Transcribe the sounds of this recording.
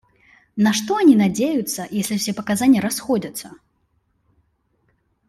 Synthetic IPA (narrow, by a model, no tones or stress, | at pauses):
nɐʂt̪ɔanʲinad͡zʲejut̪sːɐjesʲlʲiwsʲepɐkazanʲːjəɾasxɔd͡zʲɐt̪sːɐ